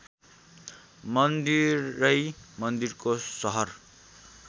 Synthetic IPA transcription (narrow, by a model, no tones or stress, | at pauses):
mʌnd̪irːʌjmʌnd̪irkosʌɦʌr